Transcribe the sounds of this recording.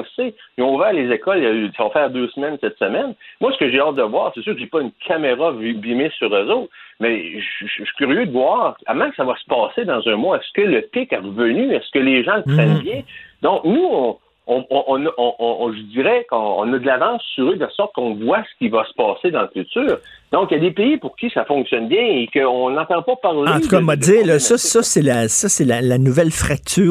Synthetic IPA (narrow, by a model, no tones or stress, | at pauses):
ɔsejɔ̃uvɛːʁlezekɔljaysavafɛːʁd̪øːsmɛnsɛt̪səmɛnmwasə̥kəʒeɑːt̪̚d̪əvwaːʁsesyːʁkəʒepaynkʰameʁavibimesyʁɛzoːt̪mɛʃi̥kʲyʁjød̪əvwɑːʁamɑ̃ksavwasə̥pɑːsed̪ɑ̃zœ̃moɛskələpɪkɛʁəvənyɛskəleʒɑ̃ləpχɛnbjɛ̃d̪ɔ̃knuɔ̃ | ɔ̃ɔ̃ʔɔ̃nʔɔ̃ʔɔ̃ʒəd͡ziʁɛkɔ̃ɔ̰̃nɔd̪əlavɑ̃ːsːyʁød̪lasɔχt̪̚kɔ̃vwasə̥kʲivasə̥pɑːsed̪aɑ̃lfyt̪yːʁ | d̪̥ɔ̃kjad̪epejipʊʁkʲisafɔ̃ksjɔnbjɛ̃ekəɔ̃nɑ̃t̪ɑ̃pɔpaʁlɑɑ̃t̪ukɑmadziːʁlssʌsʌselasʌselalanuvɛlfʁak̚t̪yː